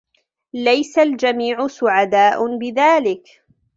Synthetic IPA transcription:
lajsald͡ʒamiːʕʊsʊʕad̪aːʔʊbɪðaːlɪk

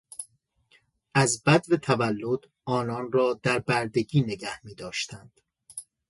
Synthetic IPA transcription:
ʔæzbæd̪vet̪ʰævælːod̪ | ɒːnɒːnrɒːd̪æɾbæɾd̪e̞ɟiːneɟæhmiːd̪ɒːʃt̪ænd̪̥

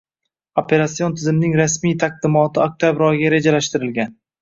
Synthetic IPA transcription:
opʰe̞ɾasːijont̪ʰɪzɪmnɪŋɾasmijt̪ʰaq̚d̪ɪmɒt̪ʰɪok̚t̪ʰabɾɒjɡʲaɾe̞d͡ʒalaʃt̪ɪɾɪlɡʲan

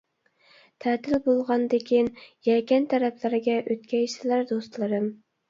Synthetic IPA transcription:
t̪ʰæːt̪ʰɪlbolˠʁɑnd̪ɪkʲʰinjɛkʲɛnt̪ʰæɾæpʰlɪɾɪɡʲɛʔøt̪̚kʲʰɛjsɪlæɾd̪ost̪lˠɨɾɨm

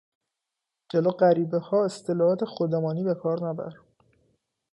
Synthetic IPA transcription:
d͡ʒeloːɢæɾiːbehɒːe̞st̪ʰe̞lɒːɒt̪ʰexod̪emɒːniːbe̞kʰɒːɾnæbæ̰ɾ

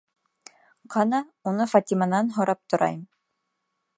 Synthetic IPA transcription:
qʰɑnɑunɤfat̪ʲimanɑnɦŏɾɑp̚t̪ŏɾʔɑ̰jm

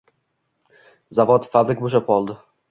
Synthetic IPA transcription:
zavɔt̪fabɾɪk̚buʃɛpɔld̪

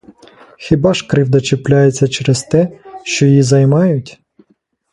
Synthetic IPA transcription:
xʲɪbɑʃkɾɪwd̪ɐt͡ʃeplʲajet͡sʲːɐt͡ʃeɾezt̪ɛʃt͡ʃɔjjizɐjmɑjʊtʲ

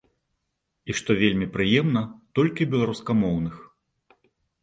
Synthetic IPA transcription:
iʂt̪ɔvʲelʲmʲipɾɨjɛmnɐt̪ɔlʲkʲibʲɛlˠaɾuskɐmɔwnɨx

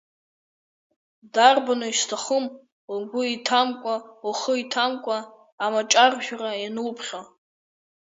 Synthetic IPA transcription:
darbanoistʰaχəm | uɡʷʊitʰamkʷʼauχəitʰamkʷʼaː | mat͡ʃʼarʒᶣarajanupʰχʲa

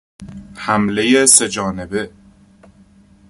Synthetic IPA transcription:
hæmlejese̞d͡ʒɒːnebe̞

